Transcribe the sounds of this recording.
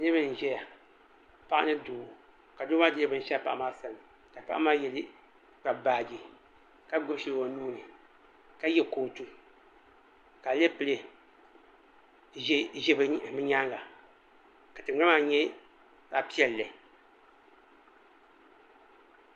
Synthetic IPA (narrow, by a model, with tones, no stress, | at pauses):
ɨ˦bɨ˦n˨ʒɛ˦ja˨ | pa˦ʔa̰˦nɨ˦duː˨ | ka˨doː˦ma˦dɨ˦lɨ˦bɨ˦n̩˨ʃɛ˦˨pa˨ʔmaː˦sa˨nɨ˨ | ka˨pa˦ʔa˦maː˦jɛ˨lɨ˦ | k͡pa˨baː˨d͡ʒi˨ | ka˦ɡ͡bo˦ʃi˦lwa˨nuː˦nɨ˨ | ka˦jɛ˦koː˨tu˦ | ka˨le˦pɨ˨lɨ˨˦ | ʒɛ˦bɨ˨mɨ˦ɲa˦ŋɡa˨ | ka˨tɨ˨ŋ͡ma˦maː˦ɲɛ˦ | sa˨pi˦ɛ˨lːɨ˨